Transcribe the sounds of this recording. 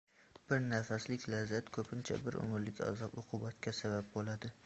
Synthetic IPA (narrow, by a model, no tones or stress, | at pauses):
b̥ɪɾnafaslɪkʲlazat̪kʰɵpʰɪnt͡ʃʰa̰bɪɾʊ̰mɾlɪkʲʰa̰zɒpʊqʰʊbat̪kʲʰasabap̚bolad̪ɪ